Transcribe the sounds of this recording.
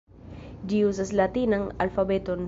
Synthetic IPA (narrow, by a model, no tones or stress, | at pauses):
d͡ʒius̬aslat̪inaŋa̰lfabet̪on